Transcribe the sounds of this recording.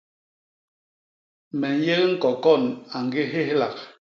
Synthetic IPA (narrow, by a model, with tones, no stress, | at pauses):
mɛ˨n˦je˦ɣŋ̩˦kɔ˨kɔ˦˨na˨ŋ̩˨˦ɡe˦ɦe˦hla̰˨k̚